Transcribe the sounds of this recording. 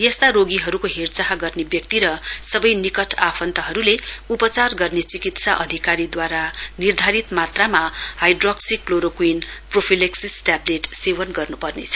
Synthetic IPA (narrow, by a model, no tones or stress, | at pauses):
jʌst̪aɾoɡiɦʌɾukoɦert͡saɦaɡʌrnebjʌk̚t̪iɾʌsʌbʌjnikʌʈʰapʰʌnt̪ʌɦʌɾuleupʌt͡sarɡʌrnet͡sikit̪saʔʌd̪ʱikaɾid̪waɾanird̪ʱaɾit̪mat̪ramahajɖrʌksikːloɾokwinpropʰileksisʈableʈsewʌnɡʌrnupʌrnḛt͡sʰʌ̥